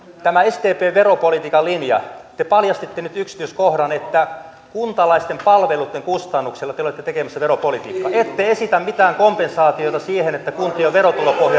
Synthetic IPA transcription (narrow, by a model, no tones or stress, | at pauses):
t̪æmæest̪eːpeːʋʋeropolit̪iːkɑlinjɑ̰t̪epɑljɑst̪it̪ːenyt̪yksi̥t̪yøskohdɑnet̪ːæ | kunt̪ɑlɑist̪empɑlʋelut̪ːeŋkust̪ɑnːukselːɑt̪eolet̪ːet̪ekemæsːæʋeropolit̪ḭːkːɑet̪ːeesit̪æmmit̪æːŋkompensɑːt̪ijot̪ɑsiːhenet̪ːækunt̪ioʋerot̪ulopohjɑ